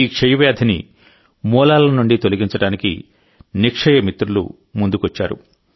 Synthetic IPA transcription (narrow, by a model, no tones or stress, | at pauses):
iːkʂɐjɐʋjaːd̪ʰʱinḭ | mɔːlaːlɐnuɳɖit̪oliɡiɲt͡ʃɐɽaːnikḭ | nikʂɐjɐmit̪ɾulṵ | mund̪ukuʋɐt͡ʃːaːɾṵ